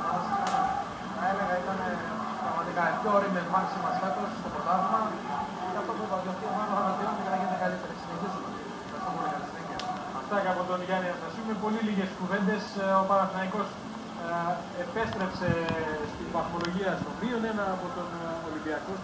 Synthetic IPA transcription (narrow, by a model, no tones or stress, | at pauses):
ɐd̪ɐst̪ikɐ | nɐe̞le̞ɣɐit̪ɐne | pɾɐɣmɐt̪ikɐepçoːɾemeðmɐksimɐstɐk̪ɾosst̪o̞pɾot̪ɐðimɐ | cɐft̪opot̪ɐt̪iɐopiɐmɐɣɾɐmɐt̪eɾund̪ekɐnɐʝinekɐlit̪e̞ɾesineçesot̪i | kɐst̪omonekɐnɐsneɡe | ɐft̪ɐceɐpo̞t̪o̞nʝɐniesɐsiumepo̞liliʝe̞skuve̞nd̪e̞sopɐɾɐθinɐiko̞s | epe̞st̪ɾe̞pse̞st̪inbɐθo̞lo̞ʝiɐst̪obɾio̞nenɐːpo̞t̪o̞nolibiɐko